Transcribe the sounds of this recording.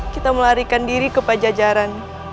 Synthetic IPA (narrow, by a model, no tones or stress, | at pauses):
kit̪aməlaɾikandiɾikəpad͡ʒad͡ʒaɾan